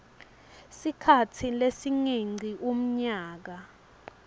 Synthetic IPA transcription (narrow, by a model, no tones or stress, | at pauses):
sikʰatʰilesiŋiŋ͡ǀʱiʔum̩ɲaːk̬a